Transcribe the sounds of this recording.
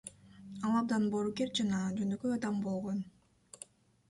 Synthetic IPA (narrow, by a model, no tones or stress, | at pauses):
ɑlˠɑb̚d̪ɑnboɾukeɾd͡ʒɑnɑd͡ʒønøkøjɑd̪ɑmbolˠʁo̞n